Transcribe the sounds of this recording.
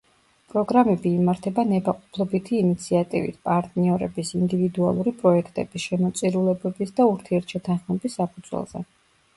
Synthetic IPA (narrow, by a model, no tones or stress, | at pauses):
pʼɾɔɡɾamɛbiːmaɾt̪ʰɛbanɛbaqʼɔ̥pʰlˠɔbit̪ʰiːnit̪sʰiat̪ʼḭvḭt̪ʰpʼaɾt̪ʼniɔɾɛ̰bisind̪ivid̪ua̰lˠuɾipʼɾɔɛkʰt̪ʼɛb̥isʃɛmɔt̪sʼiɾulɛbɛbisd̪auɾt̪ʰiɛɾt̪ʰʃɛt̪ʰanχmɛbisːapʰud̪z̥wɛ̰lˠz̥ɛ̰